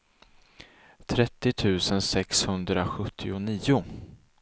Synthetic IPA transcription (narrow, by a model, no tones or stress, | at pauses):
t̪ʰɾɛt̪ːɪt̪ʰʉ̟ːsənsɛkshɵnd̪ɾaɧɵt̪ʰːɪʊniːʊ